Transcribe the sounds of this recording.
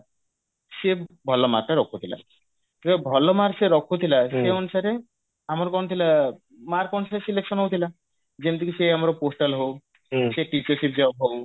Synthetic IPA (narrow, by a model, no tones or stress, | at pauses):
ʃebʱɔlɔma̰ɾʈaɾɔkʰut̪ʰila̰ | k̪iebʱɔlɔmaɾseɾɔkʰut̪ʰilaʃeɔnusaɾe | amɔɾkɔnt̪ʰila | maɾkɔnusaɾesilekʃɔnɦowt̪ʰila | d͡ʒent̪ikiseamaɾɔposʈalɦow | ʃeʈit͡ɕɔɾsip̚d͡ʑaab̚ɦow